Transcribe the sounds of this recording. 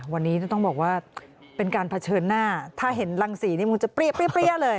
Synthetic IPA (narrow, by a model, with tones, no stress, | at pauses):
wa˧nːiː˦˥naː˥˩t̪ɔ˥˩ŋbɔː˨˩k̚waː˥˩ | pe˧nkaː˧npʰa˧t͡ɕʰɤː˧nːaː˥˩t̪ʰaː˥˩ɦe˩˦nla˧ŋsiː˩˦niː˥˩mu˧˦ŋt͡ɕa˨˩pɾi˥˩əpɾi˥˩pɾi˥˩əlɤː˧j